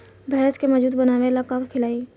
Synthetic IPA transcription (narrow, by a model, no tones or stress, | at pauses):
bɛːskemɔd͡ʒuːd̪bɐnaːʋelakaːkkʰɪlaːiː